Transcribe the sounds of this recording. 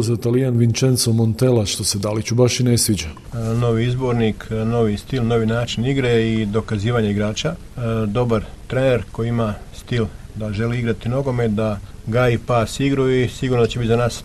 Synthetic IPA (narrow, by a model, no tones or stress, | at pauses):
zat̪alijanʋint͡ʃent̪somont̪elaʃt̪osed̪alit͡ɕubaʃinesʋid͡ʑa | no̞ʋiizbo̞ɾnikʰno̞ʋist̪ilˠno̞ʋinaːt͡ʃiniɡɾeid̪o̞kaziːʋaɲe̞iɡɾaːt͡ɕa | d̪o̞baɾt̪ɾene̞ɾko̞iimast̪il | d̪aʒe̞liiɡɾat̪ino̞ɡo̞me̞d̪aɡaipasiɡɾuisiɡuːɾnod̪at͡ɕe̞bit̪zanaːs